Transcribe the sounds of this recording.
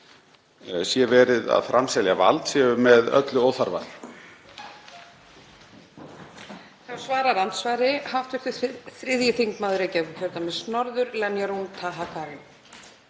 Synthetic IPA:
sjɛvɛːɾɪða̰ðfɾamsɛljava̰lt̪sjɛʏmɛðœ̰t̪lʏoːwθaɾva̰l | θawsvaːɾaɾant̪svajɾɪhaft̪vʏɪ̥t̪ʏθɾɪðjɪθiŋkmaðʏɾɛcɛvçœɾt̪amɛsnɔɾðʏɾlɛnjaɾunt̪ʰaɦakʰaɾɪn

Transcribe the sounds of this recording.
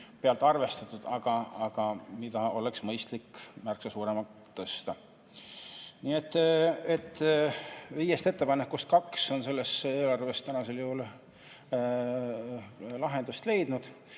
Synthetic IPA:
peɑlt̪ːˑɑrve̞st̪ɑt̪ːˑud̪̥ɑɡ̥ɑɑɡ̥ɑmid̪̥ɑo̞le̞ksmɤjst̪likːmærksɑsuːɾe̞mɑ | t̪ːɤst̪ɑ | niːet̪ːˑet̪ːˑ | vijest̪e̞t̪ːe̞pɑnekːust̪̚kɑkso̞nse̞lːe̞se̞ːlɑrve̞st̪ænɑse̞ljuhul | lɑɦe̞nd̪ust̪le̞jd̪̥nud̪̥

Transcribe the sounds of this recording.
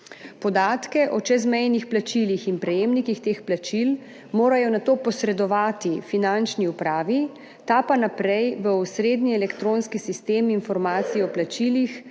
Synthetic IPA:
pɔd̪aːt̪kɛʔɔt͡ʃɛzmɛjnixplat͡ʃilixinpɾɛjeːmnikixt̪eːxplat͡ʃil | moːɾajɔnat̪oːpɔsɾɛd̪ɔʋaːt̪ifinant͡ʃniupɾaːʋi | t̪apanapɾɛjʋəusɾeːd̪niɛlɛkt̪ɾonskisist̪eːmːnfɔɾmaːt̪siɔplat͡ʃilix

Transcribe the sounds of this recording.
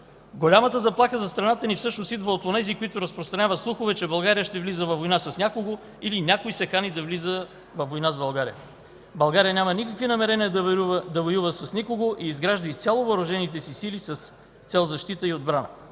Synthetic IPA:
ɡolʲamət̪əzɐplˠaxəzɐst̪ɾɐnat̪ənifsɤʃnost̪id̪vəot̪onɛzikoit̪ʊɾɐspɾost̪ɾɐnʲavət̪slˠuxovɛt͡ʃɛbɐlˠɡaɾijəʃt̪ɛvlizəvɐvːojnasɐsnʲakoɡo | ilinʲakoisɛkanid̪ɐvlizə | vɐvːojnazbɐlˠɡaɾḭjə | bɐlˠɡaɾijənʲamənikəkvinɐmɛɾɛniəd̪ɐvojuvəsɐsnikoɡoʔiːzɡɾaʒd̪əist̪sʲalˠovɐɾʊʒɛnit̪ɛsisilisɐs | t̪sɛlˠzɐʃt̪it̪əiod̪bɾanə̰

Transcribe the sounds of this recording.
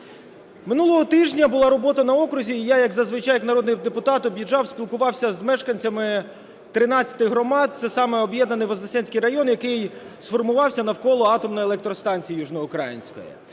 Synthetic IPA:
mɪnulˠɔɦɔt̪ɪʒnʲɐbʊlˠɑɾɔbɔt̪ɐnɐɔkɾʊzʲiːjajɐɡzɐzʋɪt͡ʃɑjɐknɐɾɔd̪nɪjd̪epʊt̪ɑt̪ɔbʲjiʒɑwsʲpʲilˠkʊʋɑwsʲɐzmɛʃkɐnʲt͡sʲɐmɪ | t̪ɾɪnɑt͡sʲːɐ̥t̪ɪɦɾɔmɑd̪̚t̪sɛsɑmɛɔbjɛd̪nɐnɪjʋɐzɐsʲɛnʲsʲkɪjɾɐjɔnjɐkɪjsfɔrmʊʋɑwsʲɐnɐwkɔlˠɔɑt̪ɔmnɔjelˠɛk̚t̪ɾɔst̪ɑnʲt͡sʲijijuʒnɔʊkɾɑ̰jɪ̰nʲsʲkɔ̰jḭ

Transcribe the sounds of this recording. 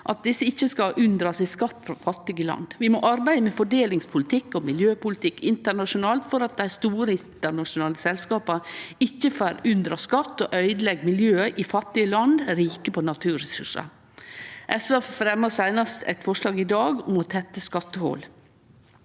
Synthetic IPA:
ʔɑt̪̚d̪ɪsːəɪçːəskɑʔʉnd̪ɾɑsɪskɑt̪ːfɾɑfɑt̪ːɪɡəlɑ̰nd̪ʋɪmɔʔɑɾbæɪd̪əmɛfɔɖeːlɪŋspʰʊlɪt̪ʰɪkːɔmɪljøːpʊlɪt̪ʰɪkːɪnt̪əɳɑʂʊnɑːlt̪fɔɾɑt̪̚d̪æɪst̪uːɾəɪnt̪əɳɑʂʊnɑːləsɛlskɑːpɑɪçːəføɾʉnd̪ɾɑskɑt̪ːɔʔœʏd̪əlɛɡmɪljøːʔɪfɑt̪ːɪəlɑnd̪ɾiːkəpʰɔnɑt̪ʰʉːɾɛsʉ̰ʂɑ̰ | ʔɛsʋæfɾɛmːəsæɪnɑst̪ʰæ̰ɪt̪fɔʂlɑːɡɪd̪ɑːɡʊmɔt̪ʰɛt̪ːəskɑt̪ːəhɔ̰ːl

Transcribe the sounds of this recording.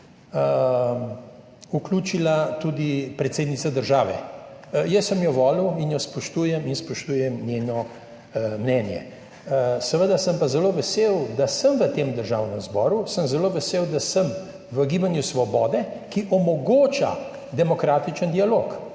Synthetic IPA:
ukluːt͡ʃilat̪ud̪ipɾɛt̪seːd̪nit̪sad̪əɾʒaːʋɛ̰jəsəmjɔʋɔːlwinjɔspɔʃt̪uːjɛminspɔʃt̪uːjɛmnʲjeːnɔ | mnɛːnjɛ̰ | sɛʋəd̪asəmpazɛloːʋɛsewd̪asəmʋət̪eːmd̪əɾʒaːwnəmzbɔːɾusəmzɛloːʋɛseːwd̪asəm | ʋəɡiːbanjusʋɔbɔːd̪ɛkiʔɔmɔɡoːt͡ʃa̰ | d̪ɛmɔkɾaːt̪it͡ʃənd̪ialoːk

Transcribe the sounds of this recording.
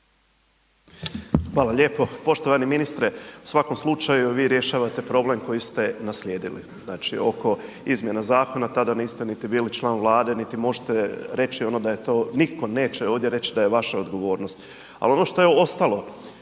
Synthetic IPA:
xʋaːlaʎʲe̞ːpo̞po̞ʃt̪o̞ʋaniminist̪ɾeu̥sʋako̞mslˠut͡ʃajuʋiːɾje̞ʃaːʋat̪e̞pɾo̞ble̞mko̞jist̪e̞nasʎʲe̞ːd̪ilḭznaːt͡ʃḭo̞ko̞ | izmʲjenazaːko̞nat̪ad̪aniːst̪enit̪ibiːlit͡ʃlˠaːnʋlˠaːd̪e̞nit̪imo̞ʒet̪eɾe̞t͡ʃio̞no̞d̪ajet̪o̞ːniko̞ne̞ːt͡ɕeoːʋd̪je̞ɾe̞t͡ɕid̪ajeʋaʃaod̪ɡo̞ʋo̞ːɾno̞st̪ | a̰lo̞noʃt̪o̞jeost̪alˠo̞

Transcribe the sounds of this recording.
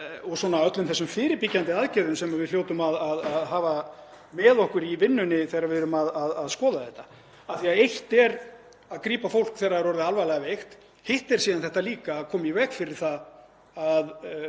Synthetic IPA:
ɔɣswɔnaœt̪lʏmθɛsːʏmfɪːɾɪpɪcant̪ɪaðcɛðʏmsɛmavɪðljoːwt̪ʏmaðaðaðɦaːva | mɛːðɔhkʏɾivɪnːʏnɪθejɾaɾvɪðɾʏmaðaðaðskɔːðaθɛht̪ːḁ | aθiaejht̪ɛɾ | aðkɾiːpafowl̥kθɛːɾaɛɾɔɾðɪalvajlɛɣavejxt̪ | hejht̪ɛɾ̥siːðanθɛht̪aliːkaːðkʰɔːmivɛkfɪɾɪɾ̥θa | að

